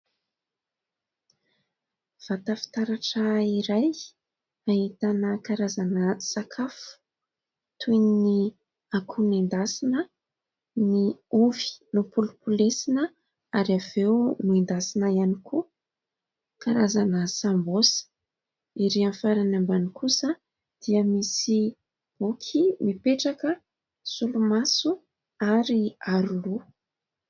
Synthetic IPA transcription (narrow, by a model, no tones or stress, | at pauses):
v̥at̪afi̥t̪aɾaʈ͡ʂaiɾaj | aɦit̪anəkaɾazanəsakʰafu̥ | t̪ʰujni | akʰunind̪asinə | niuvi̥nupulupulesinə | aɾavewnuend̪asinaianiku | kaɾazanəsambos | iɾianfaɾanambanikʰusə | d̪̥iəmisi | b̥ukʰimipeʈ͡ʂakə | sulumasu | aɾiaɾulu